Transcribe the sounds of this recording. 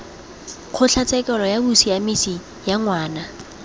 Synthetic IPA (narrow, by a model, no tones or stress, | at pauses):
q͡χʰʊt͡ɬʰat͡sɛkʼɛlɔjabusiamisi | jaŋwaːna